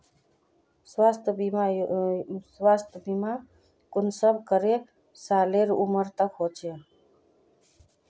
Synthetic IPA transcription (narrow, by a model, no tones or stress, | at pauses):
swaːst̪ʰbia | swaːst̪ʰbima | kʊnsəb̚kəɾe | saːleɾuməɾt̪əkɦoːt͡ʃʰe